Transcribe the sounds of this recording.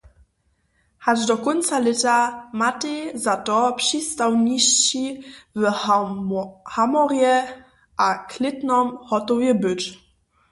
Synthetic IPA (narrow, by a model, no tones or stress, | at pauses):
had͡ʒdɔkɔnt̪salɛt̪amatezatɔpʂist̪awɲiɕɕiv | hamɔʁjɛ | ʔaklʲɪt̪nɔmhɔt̪ɔvjɛbɘt͡ɕ